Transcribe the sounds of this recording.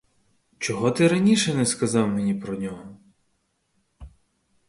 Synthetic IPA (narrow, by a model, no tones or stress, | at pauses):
t͡ʃɔɦɔt̪ɪɾɐnʲiʃɛnɛskɐzɑwmenʲipɾɔnʲɔɦɔ